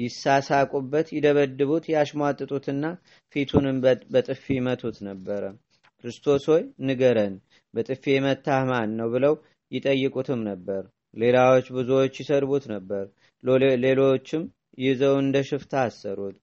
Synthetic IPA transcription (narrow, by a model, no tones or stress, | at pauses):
jɪsːasakʼubːət̪jɪd̪əβəd̪ːɨβut̪jɛaʃmat̪ʼːɨt̪ʼut̪ʰɨnːa | fit̪ʰunɨmbət̪ʼɨfimət̪ʰut̪nəbːəɾə | kɾɨst̪ʰo̞swojnɨɡəɾən | bət̪ʼɨfːemət̪ʰːahmanːəwbɨləw | jɪt̪ʼəjːɨkʼut̪ʰɨmnəbːəɾ | le̞lawot͡ʃːbɨzuwot͡ʃːjɪsəɾβut̪nəbːəɾ | le̞lo̞t͡ʃːɪm | jɪzəwɨnd̪əʃɨft̪ʰaːsːəɾut̪